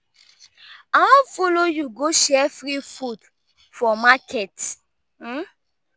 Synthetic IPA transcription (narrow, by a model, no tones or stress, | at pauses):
afolojuɡoʃɛfɹifud | fɔmakʰɛt̩